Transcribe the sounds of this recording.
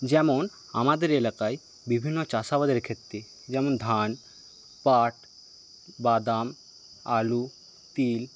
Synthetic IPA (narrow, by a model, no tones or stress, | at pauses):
d͡ʑɛmon | amad̪eɾelakae | bibʱinːot͡ɕasabad̪eɾkʰet̪ːɾi | d͡ʑɛmond̪ʱan | paʈ | bad̪am | alu | t̪il